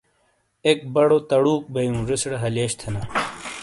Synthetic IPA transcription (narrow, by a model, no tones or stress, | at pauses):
ek̚bɐɽot̪ɐɽuːk̚bɐjũʐesɽɐɦɐleːɕt̪ʰɐnɐ